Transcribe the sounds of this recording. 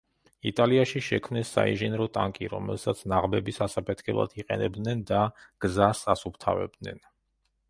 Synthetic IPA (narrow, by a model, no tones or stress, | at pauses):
it̪ʼaliaʃiʃɛkʰmnɛsːa̰ḭnʒɛnɾɔt̪ʼaŋkʼiɾɔmɛ̰lˠsat̪sʰnaʁbɛbisasapʰɛt̪ʰkʰɛblˠa̰d̪ʰiqʼɛnɛbd̪nɛnd̪aɡ̥zasasupʰt̪ʰa̰vɛ̰b̚d̪nɛ̰n